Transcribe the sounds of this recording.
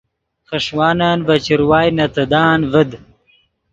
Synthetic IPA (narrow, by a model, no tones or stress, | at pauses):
χɐʂwaːnaːnvɐt͡ʃiɾwaːjnɐt̪ɐd̪aːnvəd̪